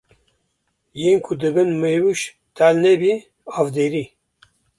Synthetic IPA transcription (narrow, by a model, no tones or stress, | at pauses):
jeːnkʰud̪ɨbɨnmewuʃ | t̪ʰælnɛbi | ɑːvd̪eːɾi